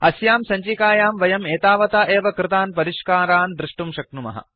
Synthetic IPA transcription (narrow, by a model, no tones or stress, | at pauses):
ɐsjaːmsɐɲt͡ʃikaːjaːmʋɐjɐmeːt̪aːʋɐt̪aːʔeːʋɐkɾɪt̪aːnpɐɾiʃkaːɾaːnd̪ɾɪʂʈumʃɐk̚numɐ̰ɦɐ̰